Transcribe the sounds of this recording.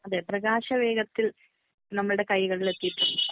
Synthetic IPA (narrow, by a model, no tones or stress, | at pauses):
ɐðeːprɐɣaːɕɐʋe̞ːɡɐt̪ːil | nɐmːɐɭɨɽe̞kɐjɣɐɭile̞t̪ːijiʈːunːu